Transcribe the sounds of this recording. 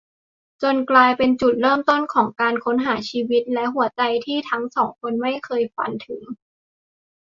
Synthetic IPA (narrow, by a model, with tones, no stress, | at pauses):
t͡ɕo˧nklaː˧jpe˧nt͡ɕu˨˩t̪̚ɾɤː˥˩mt̪o˥˩nkʰɔː˩˦ŋkaː˧nkʰo˦˥nɦaː˩˦t͡ɕʰiː˧wi˦˥t̪̚lɛ˦˥ɦu˨˩˦ɐt͡ɕa˧jt̪ʰiː˥˩t̪ʰa˦˥ŋsɔː˩˦ŋkʰo˧nma˥˩jkʰɤː˧jfa̰˧nt̪ʰɯ˨˩˦ŋ